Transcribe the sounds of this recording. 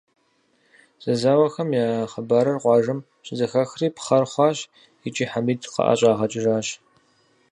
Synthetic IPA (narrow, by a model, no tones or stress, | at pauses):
z̥ɐzaːwɐxɐmjaːχɐbaːɾɐrqʷɑːʒɨm | ɕʼɪzɐxɐxriːpχɐrχʷɑːɕ | ɪt͡ʃʼiːħamiːdqɐ̰ʔa̰ɕʼaːʁɐt͡ʃʼɪʒaːɕ